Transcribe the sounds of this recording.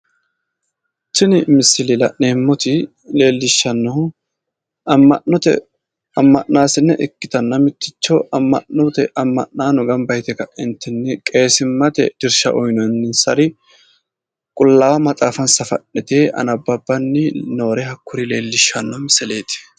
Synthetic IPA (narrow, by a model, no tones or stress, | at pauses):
t͡ʃɪnɪmɪsːɪlɪlɐ̰ʔneːmːɔt̪ɪ | le̞ːlːɪʃːɐnːɔ | ɐmːɐʔɔt̪ɛ̰ | ɐmːɐʔnaːsɪnːɛʔɪkːɪt̪ɐnːɐmɪt̪ːɪt͡ʃːɔʔɐmːɐ̰ʔnɔt̪ɛʔɐmːɐ̰ʔnaːnɔɡɐmbɐjt̪ɛkɐʔɛnt̪ːɪnːɛkʼe̞ːsɪmːɐt̪ɛ̰d̪̥ɪɾʃɐ̰ʔɔjnɔnːɪnsɐɾɪ | kʼʊlːaːwɐmɐt͡sʼaːfɐnsɐfɐ̰ʔɛt̪eʔɐ̰nɐbːɐbːɐnːɪno̞ːɾɛhɐkːʊɾɪle̞ːlːɪʃːɐnːɔmɪsɛle̞ːt̪ɪ̥